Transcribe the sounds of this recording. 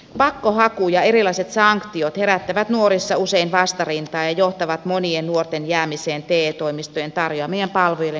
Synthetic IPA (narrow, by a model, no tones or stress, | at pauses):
pɑkːohɑkujɑeɾilɑiset̪sɑŋkt̪iot̪heɾæt̪ːæʋæt̪nuoɾisːɑuseinʋɑst̪ɑrint̪ɑːjɑjoht̪ɑʋɑt̪moniennuort̪enjæːmiseːnt̪eːt̪oimist̪ojent̪ɑrjoɑːmejæmpɑlʋojelːe